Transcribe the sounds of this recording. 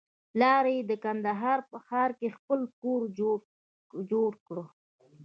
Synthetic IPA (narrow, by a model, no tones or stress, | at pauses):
lɑɾejed̪əkand̪aɦɑɾpəxɑɾkexpəlkoɾ | d͡ʒoɽkɽo